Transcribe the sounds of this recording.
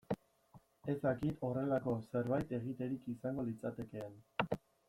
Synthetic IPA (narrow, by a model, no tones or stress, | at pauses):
e̞zd̪akit̪o̞re̞lako̞se̞ɾβajt̪e̞ɣ̞it̪e̞ɾikisaŋɡo̞lit͡sat̪e̞ke̞an